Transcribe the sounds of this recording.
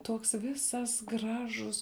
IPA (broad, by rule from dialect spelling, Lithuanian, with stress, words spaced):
ˈtuɔks ˈʋʲɪsɐs ˈɡrɑːʒʊs